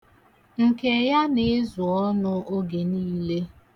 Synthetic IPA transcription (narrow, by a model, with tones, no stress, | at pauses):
ŋ̩˨ke˨ja˦nɪ˦zʊ˨ɔ˦nʊ˦ʔo˦ɡe˨niː˦le˦